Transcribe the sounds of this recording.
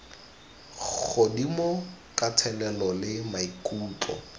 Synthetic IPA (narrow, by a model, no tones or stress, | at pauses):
odimʊkʼatʰɛlɛlɔlɪmaikʼuːtɔ̰